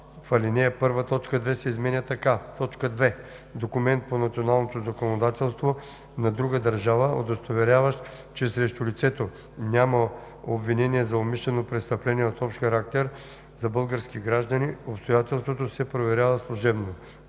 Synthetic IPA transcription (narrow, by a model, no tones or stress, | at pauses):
fɐlʲinɛɐpɤɾvət̪ɔt͡ʃkəd̪vɛsɛizmɛnʲət̪ɐkat̪ɔt͡ʃkəd̪vɛ | d̪okumɛnt̪̚ponɐt̪sionalˠnot̪ozɐkonod̪at̪ɛlˠst̪vo | nɐd̪ɾuɡəd̪ɐɾʒavəod̪ɐst̪ovɛɾʲjavəʃt̪ | t͡ʃɛsɾɛʃt̪ulit̪sɛt̪o | nʲamɐ | obvinɛniɛzɐomiʃlɛnopɾɛt̪st̪ɐplɛniɛot̪ɔpʃt̪xɐɾak̚t̪ɛɾ | zɐbɤlˠɡəɾskiɡɾaʒd̪əniopst̪ojat̪ɛlˠst̪vot̪osɛpɾovɛɾʲjavəslˠuʒɛbno